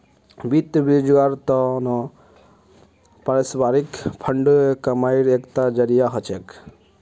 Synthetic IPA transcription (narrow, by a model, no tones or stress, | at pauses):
bit̪bid͡ʒɡaɾt̪ɔnɔ | pəɾesbaɾikpʰəɳɖkəmaiɾekt̪ad͡ʒəɾijaɦɔt͡ʃʰek